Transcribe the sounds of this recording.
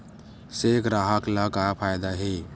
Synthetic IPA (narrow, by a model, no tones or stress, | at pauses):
sekʰɾaɦaklakapʰaːjd̪aɦeː